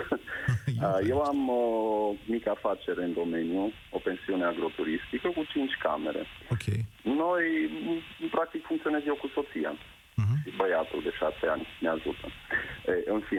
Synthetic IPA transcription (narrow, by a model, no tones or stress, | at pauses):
əje̞wamoːikafat͡ʃe̞ɾeɨnd̪o̞me̞nju | o̞pe̞nsiune̞aɡɾo̞t̪uɾist̪ikəkut͡ʃint͡ʃʲka̰me̞ɾe̞̰ | okeno̞j | pɾak̚t̪ikfuŋkt̪sio̞nezjewkuso̞t̪sija̰ | ʃibəjat̪ṵld̪e̞ʃaseanʲneaʒut̪əeʔɨnfi